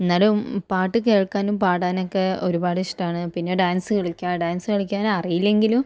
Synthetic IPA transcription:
enːaːlumpaːʈːɨke̞ːɻkːaːnumpaːɽaːno̞kːe̞o̞ɾubaːɽɨiʂʈaːɳɨpinːe̞ɖaːnsɨkiɭikʲːaɖaːnsɨkiɭikʲːaːnɐrijilːe̞ŋɡilum

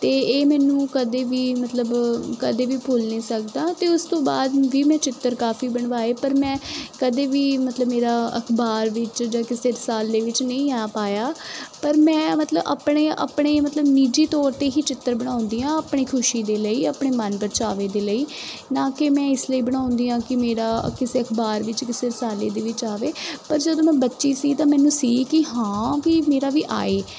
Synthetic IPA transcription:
t̪eːeːmɛːnũːkəd̪eːʋiːmət̪ləbkəd̪eːʋiːpʰʊlnĩːsəkd̪aːt̪eːʊst̪õːbaːd̪ʋiːmɛ̃ːt͡ʃɪt̪ːəɾkaːfiːbəɳʋaːeːpəɾmɛ̃ːkəd̪eːʋiːmət̪ləbmeːɾaːə̰kʰbaːɾʋɪt͡ʃd͡ʒaːkɪseːɾsaːld̪eːʋɪt͡ʃnə̃ĩːaːpaːjaːpəɾmɛ̃ːmət̪ləba̰ːpɳeːə̰ːpɳeːmət̪ləbniːd͡ʒeːt̪ɔːɾt̪eːɦiːt͡ʃɪt̪ːəɾbəɽ̃ãːʊ̃nd̪iːãːəpɳ̃iːkʰʊʃiːd̪eːləiːəpɳ̃eːmənbəɾt͡ʃaːʋeːd̪eːləiːnãːkɪmɛ̃ːɪsləiːbəɽ̃ãːʊ̃nd̪iːãːkɪmeːɾaːkɪseːəkʰbaːɾʋɪt͡ʃkɪseːɾɪsaːleːd̪eːʋɪt͡ʃaːʋeːpəɾd͡ʒəd̪õːmɛ̃ːbətːʃiːsiːt̪ãːmɛːnũːsiːkɪɦãːʋiːmeːɾaːʋiːʔa̰ːeː

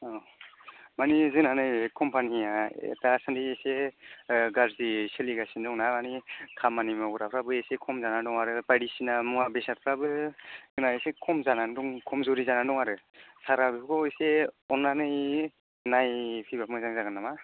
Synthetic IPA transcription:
ɔ | manizɯnanɯjkʰɔmpʰaniijaḛtasandiese | ɡaɾziseliɡasindɔŋnamanikʰamanimaɡuɾapʰɾabɯejsekʰɔmzanandɔŋaɾɯpajɽisinamɔŋabesat̚pʰɾabɯzɯnaesekʰɔmzanandɔŋkʰɔmzɔɾizanandɔŋaɾɯsaɾabikɔjseɔnːanɯj | najpʰibamɯzaŋzaɡɯnːama

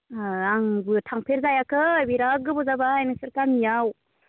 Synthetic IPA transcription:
aŋbɯtʰaŋpʰeɾzajakʰɯbiɾaɡɯbɔzabaːjnɯsɯɾkamijaw

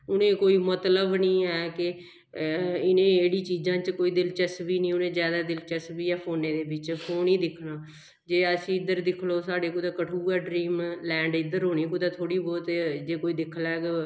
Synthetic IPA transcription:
ʊnẽːkoːiːmət̪ləbnĩːɛːkɪ | ɪnẽːeːɽiːt͡ʃiːzãːt͡ʃkoːiːd̪ɪlt͡ʃɛsbiːnĩːʊnẽːzjaːd̪aːd̪ɪlt͡ʃɛsbiːɛːpʰoːnẽːd̪eːbɪt͡ʃpʰoːniːd̪ɪkʰnaː | d͡ʒeːəsĩːɪd̪əɾd̪ɪkʰloːsaːɖeːkud̪aːkəʈʰuːɛːɖɾiːmlɛ̃ːɳɖɪd̪əɾɦoːniːkud̪aːt̪ʰoːɽiːbɔːt̪d͡ʒeːkoːiːd̪ɪkʰlɛːɡ

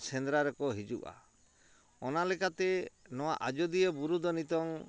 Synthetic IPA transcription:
send̪ɾaɾekɔɦid͡ʒṵʔa̰ | ɔnalekat̪enɔwa̰ʔad͡ʒɔd̪ijebuɾud̪ɔnit̪ɔŋ

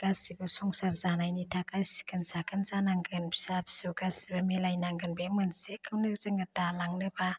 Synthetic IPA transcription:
ɡ̥asibɯsɔŋsaɾzanajnitʰakasi̥kʰɯnsakʰɯnzanaŋɡɯnbi̥sabʰi̥sɯwɡasibamelajnaŋɡɯnbemɯnsekʰɯwnɯzɯŋatalaŋnɯba

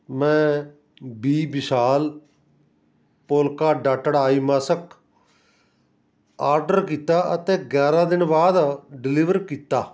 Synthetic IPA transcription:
mɛ̃ː | biːbɪʃaːl | poːlkaːɖaːʈəɽaːiːmaːsək | aːɾɖəɾkiːt̪aːʔət̪eːɡɛːɾaːd̪ɪnbaːd̪ɖɪliʋəɾkiːt̪ːaː

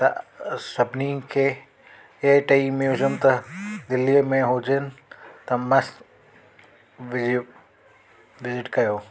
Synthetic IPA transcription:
t̪ɐsɐbʱnikʰeː | eʈɐimjuːzəmt̪ɐd̪ɪlːimẽɦod͡ʑɪnɪ̆t̪ɐmɐs | ʋ | ʋɪzɪʈkɐjoː

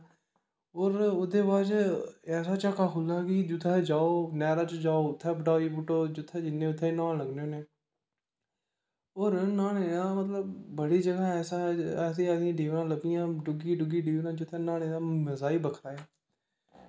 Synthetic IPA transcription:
oːɾʊd̪eːbaːd͡ʒɛːsaːt͡ʃakaːkʊlaːkɪd͡ʒʊt̪ʰːɛːd͡ʒaːoːnɛːɾãːt͡ʃd͡ʒaːoːʊt̪ʰːɛːbəʈaːiːbʊʈoːd͡ʒʊt̪ʰːɛːd͡ʒɪnːẽːʊt̪ʰːeːnãːləɡneoːneː | oːɾnaːneːnãmət̪ləbːəɽiːd͡ʒəɡaːɛːsaːɛːsiːɛːd̪ĩːɖiːʋnãːləbɪjãːɖʊɡiːɖʊɡiːɖiːʋnãːd͡ʒʊt̪ʰːɛːnaːneːãːməzaːiːbəkʰɾaːeː

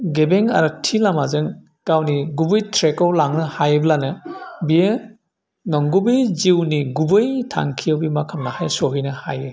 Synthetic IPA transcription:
ɡebeŋa̰ɾɯtʰilamazɯŋ | kawniɡubɯjtʰɾekɔwlaŋnɯhajɯblanɯbije | nɔŋɡubɯjziwniɡubɯjtʰa̰ŋkʰijawbimakʰamnahajsɔɦɯjnɯha̰jɯ

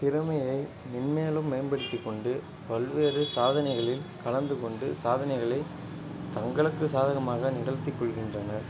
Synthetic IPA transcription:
t̪ɪɾɯmɐjɐɪ | nɪnmeːlɯmːeːnbɐɽɯt̪ːikːɔɳɖɯ | pɐlʋeːɾɯsaːðɐnɐɪɣɐɭɪlkɐɭɐnd̪ɯkɔɳɖɯ̰saːðɐnɐɪɣɐɭɐɪ | t̪ɐŋɡɐɭɯkːɯsaːðɐɣɐmaːɣɐnɪɽɐlt̪ːɪkːɔɭɣɪndrɐnɐɾ

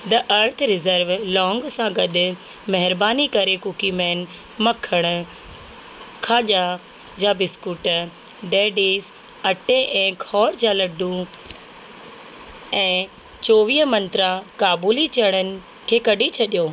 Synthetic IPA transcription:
d̪ɐʔɐɾt̪ʰɾɪzəɾʋlɔ̃ːŋɡsãɡɐɗʊ̆ | mɐɦɪɾbaːnikɐɾekukimɛːn | mɐkʰəɽ̃ʊ̆ | kʰaːʄa | d͡ʑaːbɪskuʈ | ɖeːɖiːs | ɐʈeʔɛ̃ːkʰɔːɾd͡ʑaːlɐɖʱũ | ɛ̃ː | t͡ɕoːʋiːɦmɐ̃nt̪ɾakaːbuːlit͡ɕɐɽ̃ənɪ̆ | kʰeːkɐɖʱit͡ɕʰɐɗijoː

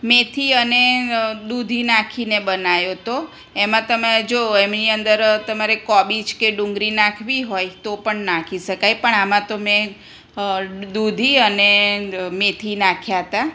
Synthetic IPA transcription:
met̪ʰiəned̪ud̪ʱinakʰinebənajot̪o | emãt̪əmed͡ʒoemniənd̪əɾt̪əmaɾekɔbid͡ʒkeɖũŋɡɾinakʰʋiɦojt̪opəɳnakʰiʃəkajpəɳamãt̪omẽ | d̪ud̪ʱiənemet̪ʰinakʰjaɦət̪a

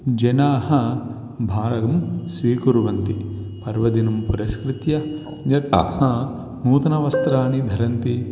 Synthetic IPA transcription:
d͡ʒɐnaːɦɐ̆ | bʱaːɾɐɡɐmsʋiːkuɾuʋɐnt̪i | pɐɾʋɐd̪inɐmpuɾɐskɾit̪jɐ | d͡ʒɐka̰hɐ | muːt̪ɐnɐʋɐst̪ɾaːnid̪ʱɐɾɐnt̪i

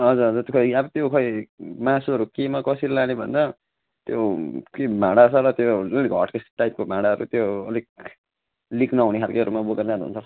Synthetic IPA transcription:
ʌd͡zuɾɦʌd͡zuɾt̪kʰʌiabʌt̪jokʰʌimãsuʌɾukemakʌsilanebʱʌ̰nd̪ʌ | t̪jokebʱãɽasʰʌɾʌt̪joʌliɡʱʌ̰ʈkesʈajp̚kobʱãɽaɦʌɾṵt̪joʌliɡ̚ | liknʌɦuneɦʰalkeʌɾumaboɡʌrneʌnṵnt͡sʰʌ

